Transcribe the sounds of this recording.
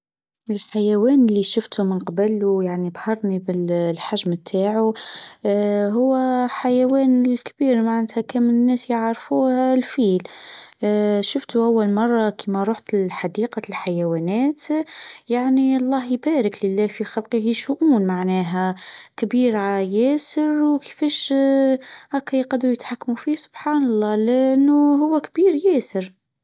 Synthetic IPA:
ɪlħajæwæːnlːiʃʊft̪ʰumənqɑbælujaʕnibhɑɾˤnibɪllħaʒmt̪ʰaːʕu | ɦʊwːæħajæwæːnlkbiːɾmaʕnæt̪hækæːmɪnnːæːsjəʕɾfuːhælfiːl | ʃʊft̪uʔawːalmɑrˤːɑkʰimæɾˤuːħt̪ɪlħad̪iːqɑlħajæwæːnæːt̪jaʕniɑlˤːɑːɦjbæːɾɪklɪlːæːfixɑlqiɦiʃuʔuːnmaʕnæːɦækbiːɾʕajæːsəɾwkə̥fæːʃ | ʔakːæjqɑd̪ːɾujɪt̪ħakːmufiːhsʊ̥b̥ħɑːnɑlˤːɑːlɪʔɪnːuɦʊwːækbiːɾjæːsəɾ

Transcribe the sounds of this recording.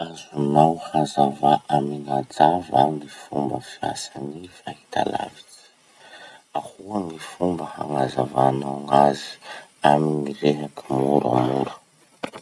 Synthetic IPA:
azunawhazavaʔamiŋad͡zavanifṵmbəfia̰sanifahit̪ʰa̰la̰vit͡si̥ | ahuaŋifumbəha̰ŋazavanawŋazi̥aminiɾeɦakimuɾa̰muɾə̥

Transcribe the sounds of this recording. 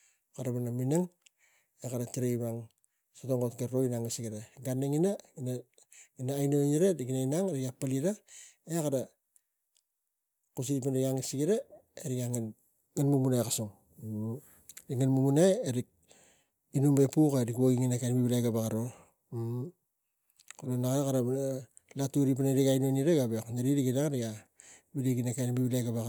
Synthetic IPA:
kaɾaβanaminaŋ | ekaɾatiɾejβaŋ | sotoŋɡotɡeɾoinaŋisiɡiɾaɡaneŋinaina | ɡinaːjnoɲiɾaɾikinainaŋeɾikapaliɾaekaɾa | kus̬iɾipanɾikaŋisiɡiɾaeɾikaŋen | ŋanmumunajkasuŋ | ɾikŋanmumunajeɾik̚ | inumbepukaɾikwaɡiŋinakanbiβilajɡabakaɾo | kolonakɾakaɾa | latuɾip̬aneɾikajnoniɾeɡabeknaɾiɾiɡinaŋɾiɡa | biliɡinakanbiβilajɡaβa

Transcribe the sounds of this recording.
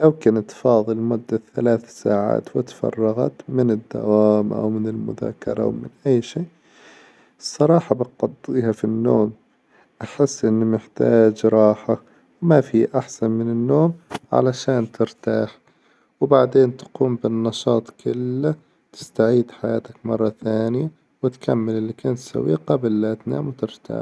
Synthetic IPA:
lawkɪnt̪fɑːðˤɨlmʊd̪ːaθalaːθsaːʕa̰ːt̪wɪt̪fɑ̰rˤːɑɣɑ̰t̪mɪnɪd̪ːa̰waːmʔa̰wmɪnɪlmʊ̰ða̰ːkɑɾˤɑʔwmɪnʔajːʃiːʔʔ | sˤːɑɾˤɑːħɑbɪqɑd̪ˤːiːhafinːoːm | ʔaħɪsːʔɪnːmɪħt̪aːd͡ʒɾˤɑːħak | wmafiːʔaħsanmɪnɪnːoːmʕa̰laʃaːnt̪ɪɾt̪aːħ | wbaʕd̪eːnt̪ḁquːmbɪnːɑʃɑːt̪ˤkʰʊlːa | t̪ɪ̥st̪aʕiːd̪ħajaːt̪akmɑrˤːɑθaːnɪja | wɪt̪kamːɪlɪlːikaːnt̪sa̰wiːqɑblːat̪na̰ːmwt̪ɪɾt̪a̰ːħ

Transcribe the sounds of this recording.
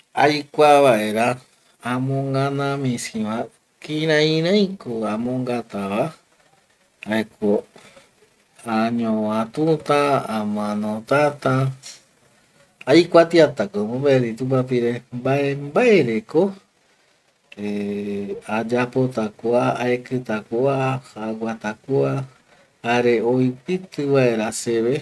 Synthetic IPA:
ajkʷaβaʔeɾaː | mõŋɡãnãmĩsĩβã | kiɾãĩɾãĩkoamõŋɡat̪aβa | aekʰo | aɲõãt̪ut̪ãamãnõt̪at̪ã | ajkʷat̪iat̪akomõmbaeɾit̪upap̬iɾembaʔembaeɾeko | e | ad͡ʒapot̪akoaaekɨt̪akuahaɡʷat̪akua | haɾeojpɨt̪ɨβaeɾaseβe

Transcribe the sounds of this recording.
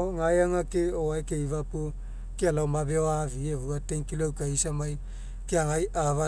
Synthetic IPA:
ŋajaŋakeoaekeivapo | kealaomabeoavievuatenkilowkaisamaj | keaŋajava

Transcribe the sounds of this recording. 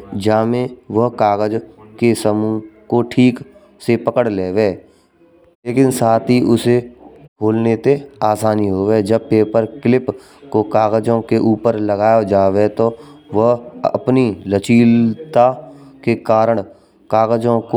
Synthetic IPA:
d͡ʒaːmẽʋəɦkaːɡəd͡ʒkesəmukoʈʰiːk | sepəkəɽleːʋeː | leːkɪnsaːt̪ʰiʔʊseboːlnet̪eaːsaːniɦoːʋeːd͡ʒəb̚peːpəɾkɪlɪp | kokaːɣəd͡ʒõkeʔuːpəɾləɡaːjod͡ʒaːʋet̪oʋəɦəpnilət͡ʃiːlt̪akekaːɾəɽ̃ | kaːɣəd͡ʒõko

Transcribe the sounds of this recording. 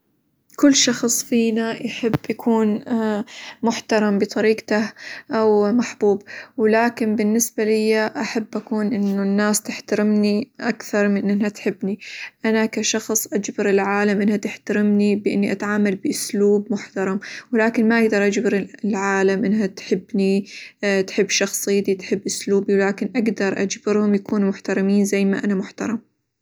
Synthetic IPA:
kʊlːʃɑxsˤfiːnajħɪbːjakʰuːn | mʊħt̪ɑɾˤɑmbɨt̪ˤɑɾiːqt̪aʔawmaħbuːbwɪlaːkɪnbɪnːɪsbalɪjːaʔaħabːʔakuːnʔɪnːʊnːaːst̪ɪħt̪aɾɪmniʔakθɑɾˤmɪnʔɪnhat̪ħɪbːniʔanakaʃɑxsˤʔad͡ʒbɪɾɪlʕaːlamʔɪnhat̪ɪħt̪aɾɪmnibɪʔɪnːiʔat̪ʕaːmalbɪʔʊsluːbmʊħt̪ɑɾˤɑmwɪlaːkɪnmaʔaɡd̪ɑɾˤʔad͡ʒbɪɾlʕaːlamʔɪnːɦat̪ħɪbːni | t̪ħɪbːʃɑxsˤɨjːt̪it̪ħɪbːʔʊsluːbiwlaːkɪnʔaɡd̪ɑɾˤʔa̰d͡ʒbɪɾhʊmjakuːnumʊħt̪ɑɾˤɑmiːnzajːma̰ʔanamʊħt̪ɑ̰ɾˤɑm

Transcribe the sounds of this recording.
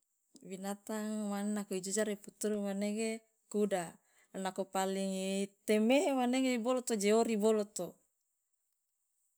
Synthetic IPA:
binat̪aŋmanenakoid͡ʒud͡ʒaɾiput̪uɾumaneɡe | kuda | nakopaliŋit̪emeɦemaneɡebolot̪od͡ʒeoɾibolot̪o

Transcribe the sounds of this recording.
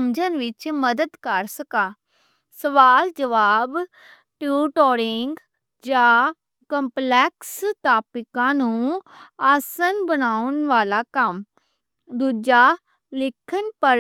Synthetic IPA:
md͡ʒənʋɪt͡ʃməd̪əd̪kəɾsəkãː | səʋaːld͡ʒəʋaːb | ʈuːʈɔːɾɪŋɡ | d͡ʒãː | kəmplɛːkst̪aːpɪkãːnũːaːsənbənaːʊnʋaːlaːkəm | d̪uːd͡ʒaː | lɪkʰːənpə

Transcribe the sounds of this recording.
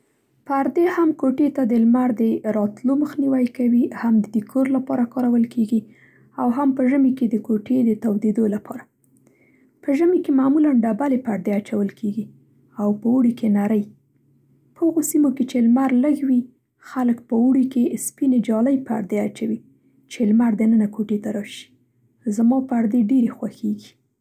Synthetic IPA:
paɾd̪ehamkoʈet̪ad̪əlmaɾd̪əɾɑt̪loməxniwajkawihamd̪əd̪əkʰoɾlapɑɾakɑɾawəlkeɡi | awɦampəʒəmeked̪əkoʈed̪ət̪awd̪ed̪olapʰɑɾa | pəʒəmekemamulanɖabalepaɾd̪eat͡ʃawəlkʰeɡi | awpəuɽikenaɾəj | pəhaɣosimoket͡ʃelmaɾləɡwi | xaləkpəuɽikespined͡ʒɑləjpəa̰ɽd̪eat͡ʃawi | t͡ʃelmaɾd̪ənənakoʈet̪aɾɑʃi̥ | zamɑpəaɾd̪eɖeɾexwaxeɡi̥

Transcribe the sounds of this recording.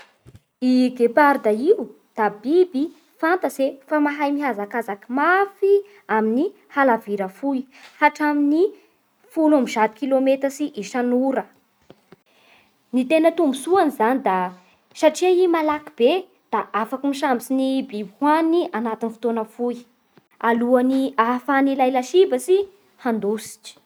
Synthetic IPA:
iɡepaɾd̪aiu | d̪̥abibi | fant̪əzefamaɦajmiɦazakazakimafi | amini | halaviɾəfujhaʈ͡ʂamini | fulamiʒad̪i̥kilomet̪əsiʔiʃanuɾə | nit̪enət̪umbusuanizanid̪a | saʈ͡ʂiaimalakib̥e | d̪̥aʔafakimiʃambit͡sinibihwaniʔanat̪inifi̥t̪onəfuj | aluaniafanilajlaʃibəsi | hand̪usi̥ʈ͡ʂi̥

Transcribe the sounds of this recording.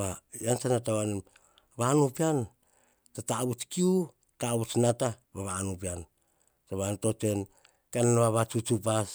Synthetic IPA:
βajant͡ʃanatawanem | βanupian | tataβut͡ʃkiu | taβut͡ʃnatamaβanupian | taβantot͡ʃe̞n | keananβaβat͡ʃut͡ʃupas

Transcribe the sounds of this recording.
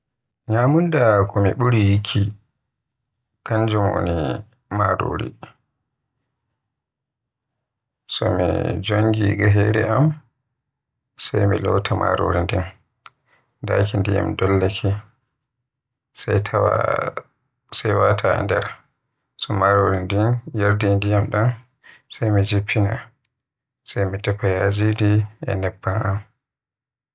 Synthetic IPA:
ɲaːmundakɔmiɓuɾijikʰːi | kaɲd͡ʒumo̰ni | maɾo̰ːɾḭ | sɔmid͡ʒoŋɡiɡaɦɛɾɛʔam | sajmilɔwtʰamʔaɾoɾindɛn | dakindija̰mdɔlːakʰi | satʰaa̰ | sajwatʰa̰ndɛɾ | sɔmaɾoɾindinjaɾdindijamɗan | sajmid͡ʒipʰːina̰ | sajmitɛpːajad͡ʒidiʔɛ̰nɛbːanam

